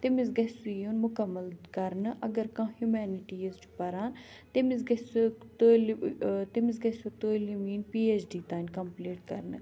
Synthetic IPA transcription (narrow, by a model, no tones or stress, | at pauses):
t̪emɪ̃zɡɛsujonmʊkəmːəlkɐɾnʔɐɡəɾkãːɦjumɛːnɪʈiezʈpɐɾaːn | t̪emɪ̃zɡɐst̪olt̪emɪ̃zɡɛsut̪oːlimiːnpiːeːt͡ʃɖiːt̪aːinkɐmpliːʈkɐɾn